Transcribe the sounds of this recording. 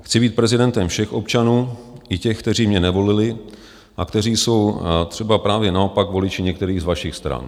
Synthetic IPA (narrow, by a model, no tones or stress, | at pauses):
xt͡sɪbiːt̪̚pɾɛzɪdɛnt̪ɛmfʃɛxʔo̞pt͡ʃanuːʔɪcɛxkt̪ɛriːmɲɛnɛvo̞lɪlɪ | ʔakt̪ɛriːso̞wt̪r̥ɛbapɾaːvjɛnao̞pakvo̞lɪt͡ʃɪɲɛkt̪ɛɾiːɣzvaʃɪxst̪ɾa̰n